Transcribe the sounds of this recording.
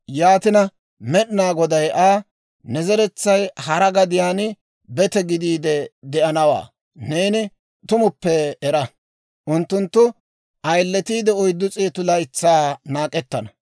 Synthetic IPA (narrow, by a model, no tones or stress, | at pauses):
jaːt̪ɪnɐ | mɛɗɪnaːɡɔd̪ɐjʔaː | nɛzɛɾɛt͡sːɐjhɐɾɐɡɐd̪ɪjaːnɪ | bɛt̪ɛɡɪd̪iːd̪ɛd̪ɛʔɐnɐwa̰ː | neːnɪ | t̪ʊmʊpːɛːɾɐ | ʔʊnt̪ːʊnt̪ːʊ | ʔɐjlːɛt̪iːd̪ɛɔjd̪ːʊt͡sʼeːt̪ʊlɐjt͡sːaːnaːkʼɛt̪ːɐnɐ